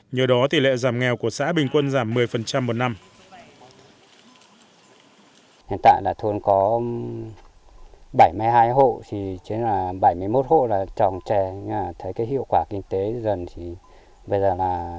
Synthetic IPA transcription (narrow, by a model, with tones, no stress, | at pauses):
ɲəː˨˩ɗɔ˨˦t̪i˨˩lḛ˧˨zaː˧˩mŋɛ˨˩wku˧˩əsa̰ː˧˥ɓï˨˩ŋ̟kwə˧nzaː˧˩mːɨ˨˩əjfə˨˩nt͡ɕa˧mːo˨˩t̚na˧m | hi˨nt̪a̰ː˧˨jlaː˨˩t̪ʰu˧nkɔ˨˦ | ɓa˧˩jmɨ˧jhaː˧jɦo̰˧˨t̪ʰi˨˩t͡ɕi˨˦nlaː˨˩ɓə˧˩jmɨ˧əjmo˦˥t̚ho̰˧˨laː˨˩t͡ɕɔ˨˩nt͡ɕɛ˨˩˧aː˨˩t̪ʰə˨˦jkaː˨˦jɦḭ˧˨əwkwaː˧˩kï˧ŋ̟t̪e˨˦zə˨˩nt̪ʰi˨˩ | ɓə˧jzəː˨˩laː˨˩